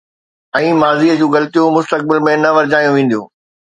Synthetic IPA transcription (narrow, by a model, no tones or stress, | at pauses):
ɛ̃ːmaːziːəd͡ʑũːɣɐlt̪ijõmʊst̪ək̚bɪlmẽnɐʋɐɾɪd͡ʑaːjũʋẽːnd̪ijõ̰ː